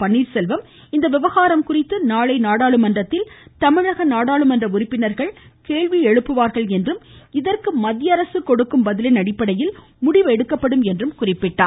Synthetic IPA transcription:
pɐɳːiːɾsɛlʋɐm | ɪnd̪ɐʋɪʋɐɣaːɾɐmkʊrɪt̪ːɯnaːɭɐɪnaːɽaːɭɯmɐndrɐt̪ːɪlt̪ɐmɪɻɐɣɐnaːɽaːɭɯmɐndrɐʊɾɪpːɪnɐɾɣɐɭkeːɭʋiɛɻɯpːɯʋaːɾɣɐɭɛndrɯmɪðɐrkɯmɐðɪjɐɾɐsɯkɔɽɯkːɯmbɐðɪlɪnɐɽɪpːɐɽɐjɪl | mʊɽɪʋɛɽɯkːɐpːɐɽɯmɛndrɯmkʊrɪpːɪʈːaː

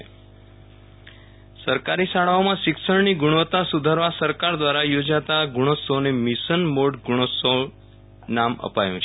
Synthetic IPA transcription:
səɾkaɾisaɭaomãʃɪksəɳniɡuɽ̃ʋət̪asud̪ʱaɾʋasəɾkaɾd̪ʋaɾajod͡ʒat̪aɡuɽ̃osonemɪsənmoɖɡuɽ̃oso | namə̰pajũt͡ʃʰe

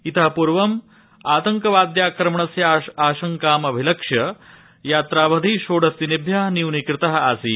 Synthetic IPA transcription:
it̪ɐɦɐpuɾʋɐm | aːt̪ɐŋkɐʋaːd̪jaːkɾɐmɳɐsjɐaːʃɐŋkaːmɐbʱilɐkʂjɐ | jaːt̪ɾaːʋɐd̪ʱiʃoːɽɐst̪inibʱjɐɦniwnikɾɪt̪ɐɦɐasiː

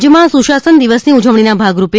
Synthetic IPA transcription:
d͡ʒemãsũʃasənd̪iʋəsniud͡ʒəʋɽ̃inabʱaɡɾupe

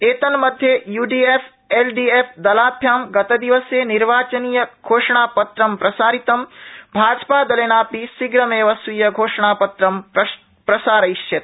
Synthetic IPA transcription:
eːt̪ɐnmɐd̪ʱjejuːɖiefʰ | eːlɖiːefʰd̪ɐlaːbʱjaːmɡɐt̪ɐd̪iʋɐseːniɾʋaːt͡ʃɐniːjɐɡʱoːʂɐɳ̃aːpɐt̪ɾɐmpɾɐsaːɾit̪ɐmbʱaːd͡ʒpaːd̪ɐlenaːpisiɡɾɐmeːʋɐsujɐɡʱoːʂɐɳ̃aːpɐt̪ɾɐm | pɾɐsaːɾɐiʃt͡ʃet̪

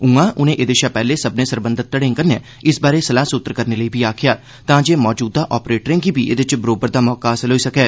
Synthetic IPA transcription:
ũãːʔʊnẽːʔeːd̪eːʃaːpɛːleːsəbnẽːsəɾbə̃nd̪ət̪̚t̪ːəɽẽːŋkənẽː | ɪsbaːɾeːsəlaːsʊt̪ːɾkəɾneːləiːbiːaːkʰɪjaː | t̪ãːd͡ʒeːmɔːd͡ʒuːd̪aːʔɔːpɾeːʈɾẽːɡiːbiːʔḛːd̪ɪt͡ʃbəɾoːbəɾd̪aːmɔːkaːɦsɪlɦoːiːsəkɛː

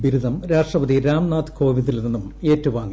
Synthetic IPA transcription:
ʋiɾud̪ʱɐmɾaːʂʈrɐbɐd̪iɾaːmnaːt̪ko̞ːʋid̪ilnenːume̞ːtːuʋaːŋːi

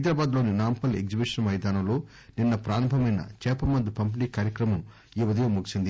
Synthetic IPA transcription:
ɐjd̪ɾaːbaːd̪lo̞ːninaːmpɐle̞̰ɡd͡ʒibiʂɐnmɐjd̪aːnɐmlo̞ː | ninːɐpɾaːɾɐmbʱɐmɐjnɐ̰t͡ʃɛːpɐmɐnd̪upɐmp̬iniːkaːɾjɐkɾɐmɐm | iʋɐd̪ijɐmuɡisind̪i

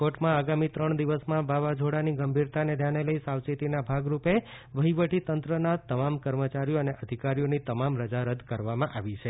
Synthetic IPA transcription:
koʈmãaɡamit̪ɾəɳd̪iʋəsmãbaʋad͡ʒʱoɽaniɡəmbʱiɾt̪aned̪ʱjaneləisawt͡ʃit̪inabʱaɡɾupe | ʋəɦiʋəʈit̪ənt̪ɾənat̪əmamkəɾmət͡ʃaɾijoəneʔəd̪ʱikaɾijonit̪əmamɾəd͡ʒaɾəd̪kəɾʋamãʔaʋit͡ʃʰe

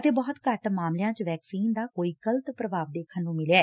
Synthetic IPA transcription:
ət̪eːbɔːt̪kəʈmaːmlejãːt͡ʃʋɛːksiːnd̪aːkoːiːɡələt̪pɾəʋaːʋd̪eːkʰənːũːmɪlaːɛː

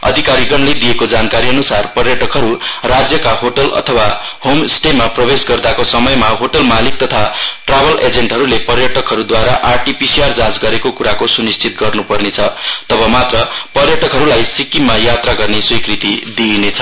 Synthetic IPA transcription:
ʌ̰d̪ʱikaɾiɡʌnled̪ijekod͡zankaɾiʌnusarpʌrjʌʈʌkɦʌɾurad͡zjʌkaɦoʈʌlʌ̰t̪ʰʌwa | homsʈemaprʌbesɡʌrd̪akosʌmʌjmaɦoʈʌlmalik̚t̪ʌt̪ʰaʈrabʌlʔed͡zeɳʈɦʌɾulepʌrjʌʈʌkɦʌɾud̪waɾaʔarʈipisiard͡zad͡zɡʌɾekokuɾakosunist͡sʰit̪̚ɡʌrnupʌrnet͡sʰʌt̪ʌbʌmat̪rʌpʌrjʌʈʌkɦʌɾulajsikimːajat̪raɡʌrneswikrit̪id̪inet͡sʰʌ̥

